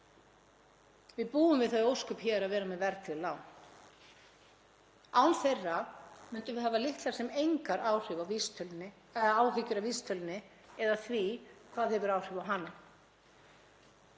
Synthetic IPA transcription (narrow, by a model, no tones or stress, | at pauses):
vɪðpuːʏmvɪðθaðowskʏpçɛɾaðvɛːɾamɛðvɛɾt̪ɪlaːwn | aːwnθejrːamʏnt̪ʏmvɪðɦavalɪht̪laɾ̥sɛmejŋkaɾaːwr̥ʏvavist̪ʰœlnɪ | ɛðaaːwhɪcʏɾawvist̪ʰœlnːɪ | ɛðaθvikʰv̥aːðhɛvʏɾaːwr̥ʏvawɦanːa